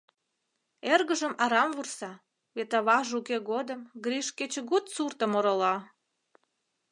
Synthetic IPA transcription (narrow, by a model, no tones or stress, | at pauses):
erɣəʒə̆mɑɾɑmvursɑ | βet̪ɑβɑʒukeɣod̪əmɡɾiʃket͡ɕeɣut̪surt̪ə̆moɾolɑ